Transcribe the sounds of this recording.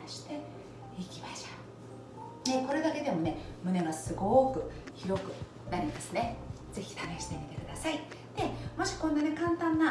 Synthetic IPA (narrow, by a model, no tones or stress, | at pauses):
ɕi̥t̪e̞ | ikʲimaɕoː | neko̞ɾe̞d̪ake̞d̪e̞mo̞ne̞mɯ̟ne̞ɡasɨɡo̞ːkɯ̟çiɾo̞kɯ̟ | naɾʲimasɨne̞ | d͡ze̞çi̥t̪ame̞ɕi̥t̪e̞mʲit̪e̞kɯ̟d̪asai | d̪̥e̞mo̞ɕi̥kõ̞nːane̞kãnt̪ãnːa